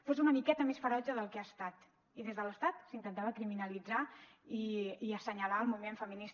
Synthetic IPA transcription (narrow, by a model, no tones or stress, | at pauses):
fozunəmikɛt̪əmesfəɾɔʒəðəlˠkeast̪at̪ | iðezðələst̪at̪sint̪ənt̪aβəkɾiminəlid͡zaiiəsəɲəlaəlˠmumeɱfəminis